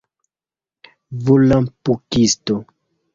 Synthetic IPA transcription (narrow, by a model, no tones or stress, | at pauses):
vulampukisto